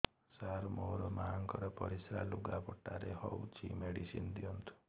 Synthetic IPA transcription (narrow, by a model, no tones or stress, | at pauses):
saɾmoɾɔmaaŋkɔɾɔpɔɾisɾaluɡapɔʈaɾehɔwt͡ʃʰimeɽisind̪iɔnt̪ʰu̥